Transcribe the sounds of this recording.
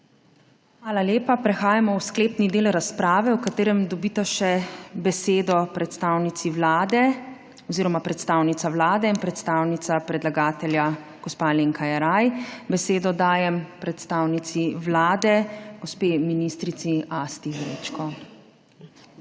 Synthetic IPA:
xxʋaːlaljeːpapɾɛxaːjamɔwskleːpnid̪eːlɾaspɾaːʋɛwkat̪eːɾɛmd̪ɔbiːt̪aʃɛbɛseːd̪ɔpɾɛt̪st̪awnit̪siʋlaːd̪ɛ | ɔziɾɔmapɾɛt̪st̪awnit̪saʋlaːd̪ɛinpɾɛt̪st̪awnit̪sapɾɛd̪laɡaːt̪ɛlja | ɡ̥ɔspaleːŋkajaɾajbɛseːd̪ɔd̪aːjɛmpɾɛt̪st̪aːwnit̪siʋlaːd̪ɛɡɔspeːminist̪ɾiiast̪iɣɾḛt͡ʃkɔ

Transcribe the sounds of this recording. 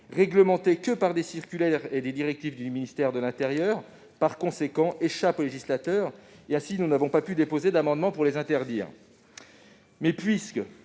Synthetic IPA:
ʁɛɡləmɑ̃t̪ekəpaʁd̪esiʁkʲylɛʁed̪ed̪iʁɛk̚t̪ifd̪yminist̪ɛʁd̪əlɛ̃t̪ɛʁjœːʁ | paʁkɔ̃sekɑ̃ʔeʃapoleʒislat̪œːʁeɛ̃sinunavɔ̃papyd̪epozed̪amɑ̃d̪mɑ̃puʁlezɛ̃t̪ɛʁd̪iːʁ | mɛpɥiskə

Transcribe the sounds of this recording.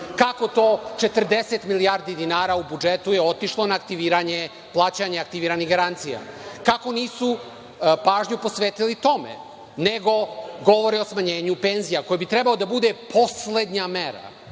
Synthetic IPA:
kako̞t̪o̞ːt͡ʃe̞t̪r̩d̪eset̪milijaɾd̪id̪inaːɾaubud͡ʒet̪ujeo̞t̪iʃlˠo̞naːk̚t̪iʋiːɾaɲe | plˠaːt͡ɕaɲeak̚t̪iʋiːɾaniɡaɾant̪sija̰kako̞niːsu | paːʒɲupo̞sʋeːt̪ilit̪o̞mḛ | ne̞ɡo̞ɡo̞ʋoɾeosmaɲe̞ːɲupenzijako̞jebit̪ɾebalod̪abud̪e̞po̞sle̞d̪ɲame̞ɾa̰

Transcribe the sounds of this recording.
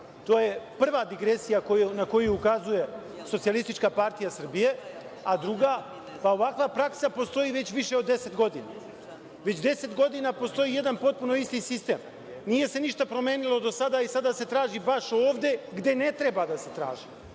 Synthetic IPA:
t̪oːje̞pr̩ʋad̪iɡɾe̞sijakounako̞jujukazuje̞ | sot̪sialˠist̪it͡ʃkapaɾt̪ijasr̩bije̞ | ad̪ɾuɡa | pao̞ʋakʋapɾaksapo̞st̪o̞iʋe̞t͡ɕʋiʃe̞od̪ːese̞t̪ɡo̞d̪ina̰ | ʋe̞t͡ɕd̪e̞se̞t̪ɡo̞d̪inapo̞st̪o̞jiːje̞d̪anpo̞t̪̚puno̞ist̪isist̪eːm | nije̞se̞niʃt̪apɾo̞me̞ːnilˠo̞d̪o̞sad̪aisad̪ase̞t̪ɾaːʒibaʃoːʋd̪e̞ɡd̪e̞ne̞t̪ɾebad̪ase̞t̪ɾa̰ːʒi

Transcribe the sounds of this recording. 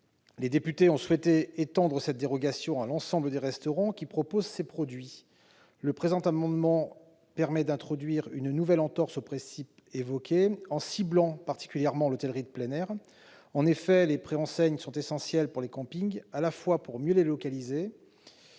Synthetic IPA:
led̪epyt̪eɔ̃swɛt̪eːt̪ɑ̃d̪ʁəsɛt̪̚d̪eʁɔɡasjɔ̃alɑ̃sɑ̃bləd̪eʁɛst̪ɔʁɑ̃kʲipχɔpozsepχɔd̪ɥi | ləpχezɑ̃t̪amɑ̃d̪mɑ̃ | pɛʁmɛd̪ɛ̃t̪χɔd̪ɥiʁynnuvɛlɑ̃t̪ɔʁsopχɛ̃sip | evɔkʲeɑ̃siblɑ̃paʁt̪i̥kʲyljɛʁmɑ̃lɔt̪ɛlʁid̪əplɛnɛʁ | ɑ̃nefɛlepχeɑ̃sɛɲsɔ̃t̪esɑ̃sjɛlpuʁlekɑ̃piŋɡalafwapuʁmjølelɔkalize

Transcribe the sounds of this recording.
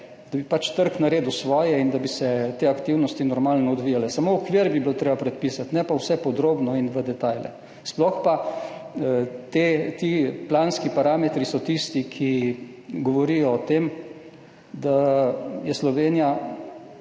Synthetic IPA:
d̪abipat͡ʃt̪əɾknaɾeːd̪usʋɔːjɛind̪abisɛt̪eːakt̪iwnɔst̪inɔɾmaːlnɔɔd̪ʋiːjalɛsamoɔkʋiːɾbiblt̪ɾeːbapɾɛt̪̚piːsat̪nɛpawsɛpɔd̪ɾoːbnɔinʋəd̪ɛt̪aːjlɛ̰ | splɔxpa | t̪et̪iplaːnskipaɾaːmɛt̪ɾisɔt̪ist̪ikʰi | ɡɔʋɔɾijɔːt̪em | d̪ajɛslɔʋeːnija

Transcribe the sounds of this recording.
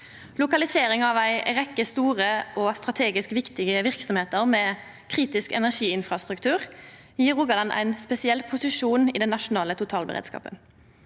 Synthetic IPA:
lʊkɑlɪseːɾɪŋɑʋæɪʁɛkːəst̪uːʁəʔɔst̪ʁɑt̪ʰeːɡɪskʋɪkt̪ɪɡəʋɪʁksɔmheːt̪əʁmɛː | kʰʁiːt̪ɪskɛ̰næʁʂiːɪnfʁɑst̪ʁʉkt̪ʰʉːʁ | jiːʁʊɡɑlɑnʔæ̰ɪnspɛsɪɛlpʰʊsɪʂuːnḭːd̪ɛnːɑʂʊnɑːlət̪ʰʊt̪ʰɑːlbə̰ʁḛːd̪skɑ̰ːpə̰

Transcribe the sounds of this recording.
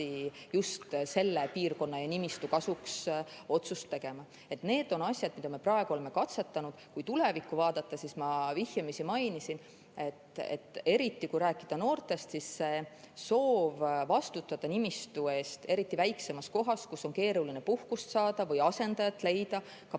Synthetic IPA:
ijust̪se̞lːe̞piːrko̞nːɑjɑnimist̪ukɑsukso̞t̪sust̪ːe̞ɡ̥e̞mɑ | e̞t̪ne̞ːd̪̥o̞nɑsʲjɑd̪̥̚mid̪ɑme̞prɑe̞ɡ̥uoemːe̞kɑt̪se̞t̪ˑːɑnud̪̥kujt̪ule̞vikˑːuvɑːd̪̥ɑt̪ːˑɑsismɑvihjɑmisimɑjnisin | e̞t̪ḛt̪ːˑe̞ɾit̪ːˑikujɾæːkˑːid̪̥ɑno̞ːrt̪ˑe̞st̪sisːe̞ | so̞ːvvɑst̪ut̪ːˑɑd̪̥ɑnimist̪ue̞ːst̪e̞ɾit̪ːˑivæjkse̞mɑsko̞ɦɑskusːo̞nke̞ːɾuline̞puhkust̪sɑːd̪̥ɑvɯjɑse̞nd̪̥ɑjɑt̪ːˑle̞jd̪̥ɑ | kɑ

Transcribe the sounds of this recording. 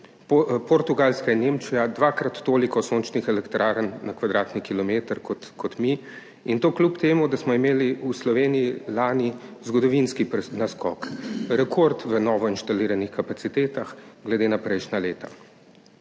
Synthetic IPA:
ppɔɾt̪uɡalskainːemt͡ʃijad̪ʋaːkɾat̪ːoːlikɔsoːnt͡ʃnixɛlɛkt̪ɾaːɾənːakʋad̪ɾaːt̪nikilɔmeːt̪əɾkɔt̪kʰɔt̪mi | int̪oːklʲupt̪eːmud̪asmɔimeːliuslɔʋeːnijilaːnizɡɔd̪ɔʋinskipɾɛnaskɔ̰kɾɛkʰoɾt̪ʋənɔːʋɔinʃt̪aliːɾanixkapat̪sit̪eːt̪axɡlɛd̪eːnapɾɛjʃnaleːt̪a̰

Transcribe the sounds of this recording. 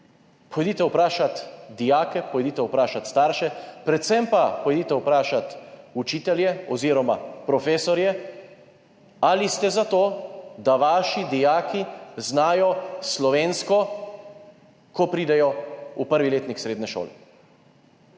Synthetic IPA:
pɔjɛd̪iːt̪ɛwpɾaːʃat̪d̪ijaːkɛpɔjd̪iːt̪ɛwpɾaːʃat̪st̪aːɾʃɛpɾɛt̪sɛmpapɔjɛd̪iːt̪ɛwpɾaːʃat̪ut͡ʃiːt̪ɛljɛɔziɾɔmapɾɔfeːsɔɾjɛ | alist̪ɛzat̪oːd̪aʋaːʃid̪ijaːkiznaːjɔslɔʋeːnskɔ | kɔpɾiːd̪ɛjɔupəɾʋileːt̪nixsɾeːd̪nɛʃo̰ːlɛ̰

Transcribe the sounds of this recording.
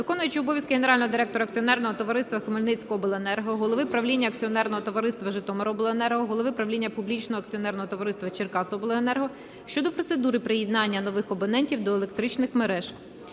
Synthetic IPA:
ʋɪkɔnʊjʊt͡ʃɪɔbɔʋʲjɐskɪɦeneɾɑlʲnɔɦɔd̪ɪɾɛk̚t̪ɔɾɐɐkt͡sʲiɔnɛrnɔɦɔt̪ɔʋɐɾɪst̪ʋɐxɪmolʲnɪt͡sʲkɔbelˠenɛrɦɔɦɔlˠɔʋɪpɾɐwlʲinʲːɐkt͡sʲiɔnɛrnɔɦɔt̪ɔʋɐɾɪst̪ʋɐʒɪt̪ɔmɐɾɔɔblˠɔenɛrɦɔɦɔlˠɔʋɪpɾɐwlʲinʲːɐpublʲit͡ʃnɔɦɔɐkt͡sʲiɔnɛrnɔɦɔt̪ɔʋɐɾɪst̪ʋɐt͡ʃɪrkɑsɔbelˠɔenɛrɦɔ | ʃt͡ʃɔd̪ɔpɾɔt̪sed̪uɾɪpɾɪjɪd̪nɑnʲːɐnɔʋɪxɔbɔnɛnʲtʲiwd̪ɔelˠek̚t̪ɾɪt͡ʃnɪxmeɾɛʒ

